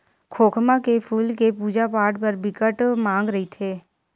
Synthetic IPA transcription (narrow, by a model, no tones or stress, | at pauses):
kʰoːkʰmãkepʰuːlkepuːd͡ʒapaːɾʈpəɾbɪkəʈmãːŋɡɾəɦit̪ʰeː